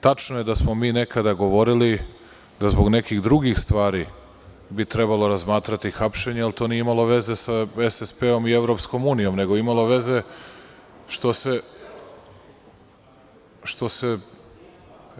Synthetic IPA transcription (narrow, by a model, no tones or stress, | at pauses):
t̪at͡ʃnoje̞d̪asmo̞miːne̞kad̪aɡo̞ʋo̞ɾili | d̪azboɡne̞kiɣd̪ɾuɡixst̪ʋaːɾi | bit̪ɾe̞balˠo̞ɾazmaːt̪ɾat̪ixapʃe̞ɲealt̪o̞nijeimalo̞ʋe̞ze̞saesespeo̞mie̞ʋɾo̞psko̞muːnijo̞mne̞ɡoimalˠo̞ʋe̞ze̞ | ʃt̪o̞se̞ | ʃt̪o̞se̞